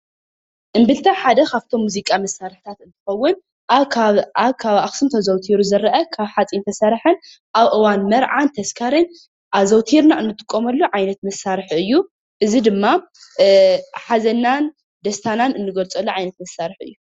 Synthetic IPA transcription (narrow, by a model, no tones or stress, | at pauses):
ʔɨmbɨlt̪ʰɐħad̪ɐkʰaft̪ʰo̞mːuzikʼamɐsːaɾɨħt̪ʰat̪ɨnt̪ʰɨ̥xɐwːʊn | ʔaβkʰaβʔaβkʰaβaxsɨmt̪ʰɐzɐwt̪ʰiɾuzɐɾʔɐkʰaβħat͡sʼint̪ʰɐsaɾħɨn | ʔaβʔɨwanmɐɾʕant̪ʰɐskʰaɾɨn | ʔaβzɐwt̪ʰiɾnaʔɨnːɨt̪ʼɨ̥kʼːomɐlːuʕajnɐt̪mɐsaɾħɨjːu | ʔɨzid̪ɨmːa | ħazɐnːan | d̪ɐst̪ʰananɨnːɨɡɐlt͡sʼɐlːuʕajnɐt̪mɐsːaɾħɨ̰jːu